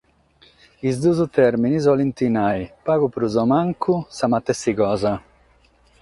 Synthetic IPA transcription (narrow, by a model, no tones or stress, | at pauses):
izd̪uːzut̪ɛɾminiz̬ɔlint̪inajpaːɡupɾuzɔmaŋkʰusamat̪ːɛsːikɔːza